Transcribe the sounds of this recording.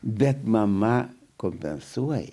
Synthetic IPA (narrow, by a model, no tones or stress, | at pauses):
bʲɛt̪mɐmɐ | komʲpʲɛ̰nsuɔjɛ